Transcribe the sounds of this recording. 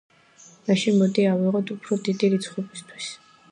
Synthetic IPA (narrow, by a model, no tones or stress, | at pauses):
maʃinmɔd̪iawiʁɔt̪ʰupʰɾɔd̪id̪iɾit̪sʰχubist̪ʰwis